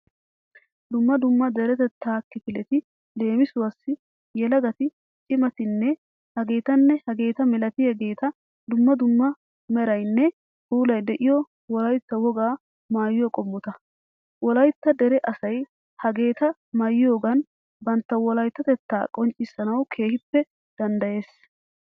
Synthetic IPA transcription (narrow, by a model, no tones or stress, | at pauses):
d̪ʊmːɐd̪ʊmːɐd̪ɛɾɛt̪ɛt̪ʰːaːkːɪpɪlɛt̪ɪ | le̞ːmɪsʊwɐsːɪ | jɛlɐɡɐt̪ɪ | t͡ʃʼɪmɐt̪ɪnːɛ | hɐɡe̞ːt̪ɐnːɛhɐɡe̞ːt̪ɐmɛlɐt̪ɪhɐɡe̞ːt̪ɐ | d̪ʊmːɐd̪ʊmːɐ | mɛɾɐjnːɛ | huːlɐjd̪ɛʔɪjɔ | wɔlɐjt̪ːɐwɔɡaː | maːjɪjɔkʼɔmːɔt̪ɐ | wɔlɐjt̪ːɐd̪ɛɾɛʔɐsɐj | hɐɡe̞ːt̪ɐ | mɐjɪjo̞ːɡɐn | bɐnt̪ːɐwɔlɐjt̪ːɐt̪ɛt̪ːaːkʼɔnt͡ʃʼːɪsːɐnɐwkʰe̞ːhɪpːɛ | d̪̥ɐnd̪ɐje̞ːs